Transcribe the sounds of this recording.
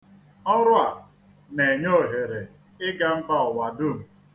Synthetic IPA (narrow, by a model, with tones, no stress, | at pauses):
ɔ˦ɾʊ˦a˨ | ne˨ɲo˦˨ɦe˨ɾe˨ | ɪ˦ɡa˦m̩˦ba˦ɔ˨wa˨dʊ˦˨m̩˨